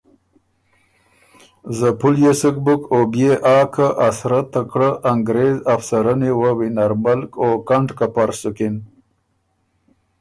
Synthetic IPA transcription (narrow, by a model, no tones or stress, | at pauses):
zəpuljesək̚bʊkobjeʔɑːkʰaʔasɾat̪ːakɽaʔːŋɡɾezafsaɾanewawinaɾmalkokaɳɖkapaɾsʊkɪn